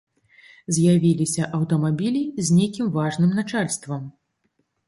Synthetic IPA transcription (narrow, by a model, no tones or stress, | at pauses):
zʲjavʲilʲisʲɐʔɐwt̪ɐmabʲilʲizʲnʲejkʲimvaʐnɨmnat͡ʂalʲst̪vɐm